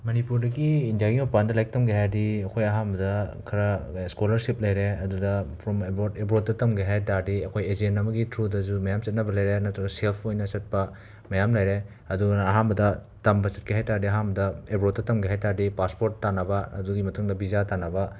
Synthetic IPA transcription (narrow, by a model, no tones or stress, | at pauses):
mɐnipuɾdɐɡiːndijaɡiopandɐlajk̚tɐmɡeɦadiɐkʰojɐɦanbɐdɐkʰɐɾɐskolɐɾsip̚lɐjɾeɐdudɐpʰɾɔmebotebɾot̚tɐtɐmɡeɦajtaɾdiɐkʰojezenɐmɐɡitʰɾudɐzumɐjamsɐt̚nɐbɐlɐjɾenɐtɾɐɡɐselpʰojnɐsɐt̚pɐ | mɐjamlɐjɾe | ɐduɐɦanmbɐdɐ | tɐmbɐsɐt̚keɦajtaɾdiɐɦanbɐdɐebɾot̚dɐtɐmɡeɦajtaɾdipaspoɾtːanɐbɐɐ̰duɡimɐtʰuŋdɐbizatanɐbɐ